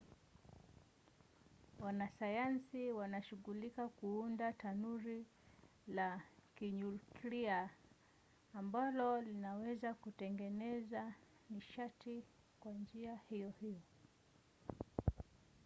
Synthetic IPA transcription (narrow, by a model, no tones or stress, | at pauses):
wanasajansiwanaʃuɠulikakuundatanuɾi | lakiɲulkɾia | mbalɔlinawɛzakutɛŋɡɛnɛza | niʃati | kwand͡ʒiahijɔhijɔ